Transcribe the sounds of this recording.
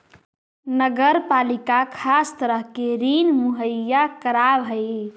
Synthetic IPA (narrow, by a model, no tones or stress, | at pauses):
nəɡəɾpalikakʰast̪əɾəɦkeɾinmuɦəjːakəɾabɦəj